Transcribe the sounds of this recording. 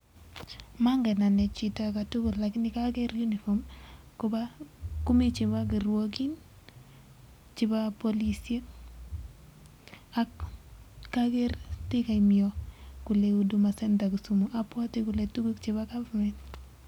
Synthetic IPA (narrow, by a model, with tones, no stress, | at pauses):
ma˦ŋɡɛ˨na˨nɛ˨t͡ʃi˨ta˨ka˨tu˦ɡo˨lla˨kɪ˦nɪ˦ka˦kɛ˦ɾju˦ni˨fo˨mkobaku˦mi˦t͡ʃɪ˨ba˦k̬i˨ɾwo˦k̬i˦n | t͡ʃɪ˦ba˦po˦li˦sie˦k̚ | a˦k | kːake˦ɾtɪ˦ka˨imiɔ˨kʊ˨le˨u˨du˨ma˨sɛ˦nta˨ku˨su˨mo˨ʔa˨pwa˦tɪ˦kʊ˨letu˦ɡe˦kt͡ʃɪ˦ba˦ɡa˦va˨mɛ˨nt